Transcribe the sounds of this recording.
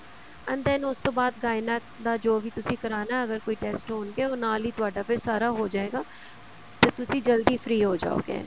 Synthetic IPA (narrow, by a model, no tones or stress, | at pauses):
ɐ̃nd̪ɛnʊst̪oːbaːd̪̚ɡaːɪna | d̪ad͡ʒoːbʱit̪ʊsĩkɐɾaːnaɐɡəɾkoːiʈɛːsʈɦoːnkeoːnaːlit̪ʊaːɖapʰɪɾsaːɾaɦod͡ʒaːeːɡaː | t̪ot̪ʊsĩd͡ʒəld̪ifʰɾiːɦoːd͡ʒa̰ːo̰ːɡḛː